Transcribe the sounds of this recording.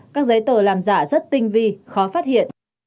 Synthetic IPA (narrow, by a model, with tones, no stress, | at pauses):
kaː˦˥k̚zə˨˦jt̪əː˧˩laː˨˩mza̰ː˧˩zə˦˥t̚t̪ï˧ŋ̟vi˧xɔ˨˦faː˦˥t̚hḭ˧˨ən